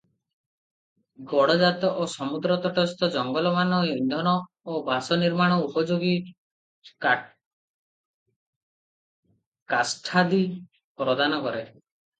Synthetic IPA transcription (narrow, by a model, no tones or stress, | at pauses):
ɡɔɽɔd͡ʒat̪ɔʔosɔmud̪ɾɔt̪ɔʈɔst̪ɔd͡ʒɔŋɡɔlɔmanɔind̪ʱɔnɔ | obʱasɔniɾmaɽ̃ɔupɔd͡ʒoɡi | kasʈʰad̪i | pɾɔd̪ʱanɔkɔɾe